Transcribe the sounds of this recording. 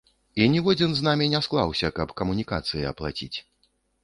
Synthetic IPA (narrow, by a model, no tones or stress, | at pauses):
inʲivɔd͡zʲinznamʲinʲasklˠawsʲɐkɐpkɐmunʲika̰t̪sɨjiɐ̰plˠa̰t͡sʲḭt͡sʲ